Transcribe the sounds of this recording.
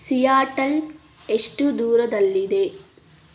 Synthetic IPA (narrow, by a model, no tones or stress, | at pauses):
sijaːʈɐl | eʂʈud̪uːɾɐd̪ɐlːid̪e̞